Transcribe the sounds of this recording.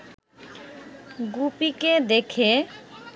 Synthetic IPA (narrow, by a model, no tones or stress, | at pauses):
ɡupiked̪ekʰe